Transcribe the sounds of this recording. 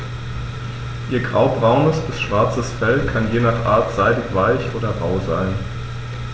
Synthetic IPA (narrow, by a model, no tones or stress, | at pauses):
ʔiːɐɡʁaʊbʁaʊnəsb̥ɪsʃv̥aɐt͡səsfɛlkʰanjeːnaχʔa̰ːɐtz̥aɪdɪçv̥aɪçʔoːdɐʁa̰ʊzaɪn